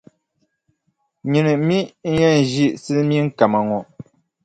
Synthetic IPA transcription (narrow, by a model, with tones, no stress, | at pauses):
ɲi˨nɨ˨˦mi˦ŋ̩˦jɛ˦n̩˨ʒi˦ʔsɨ˦mi˦ŋ̩˦ka˨ma˨ŋɔ˨ʔ